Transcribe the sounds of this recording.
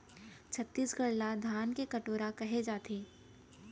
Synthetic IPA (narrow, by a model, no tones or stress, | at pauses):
t͡ʃʰɐt̪ːiːsɡɐɽlad̪ʱaːnkekɐʈoːɾakɐɦed͡ʒaːt̪ʰeː